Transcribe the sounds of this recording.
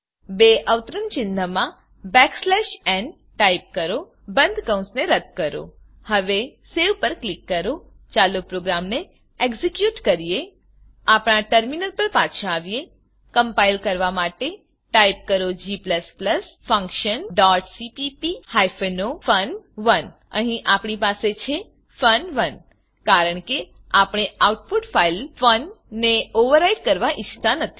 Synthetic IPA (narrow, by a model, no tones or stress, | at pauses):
beːʔəʋt̪ɾənt͡ʃɪ̃nd̪ʱəmã | bɛːkslɛːʃɛ̃ːnɖ | ʈaːɪp̚kɐɾo | bɐ̃nd̪ʱkə̃w̃sneɾɐt̪̚kɐɾo̰ː | hɐʋeseːʋpɐɾklɪkːɐɾo | t͡ʃaːlopɾoːɡɾaːmne | eːkzɪkjuːʈkɐɾije | aːpɽaʈəɾminəlpəɾpaːt̪ʃaːʋije | kə̃mpailkəɾʋamaʈe | ʈajip̚kəɾod͡ʒipləspləsfə̃ŋkʃənɖɔʈsipipihajfenofənʋən | ə̰ɦĩʔapɳipaset͡ʃʰe | fənʋən | kaɾəɳ̃ke | apɳ̃eauʈ̚puʈfʰailfənː | eoʋəɾaiʈkəɾʋaʔɪt͡ʃʰt̪anət̪ʰi̥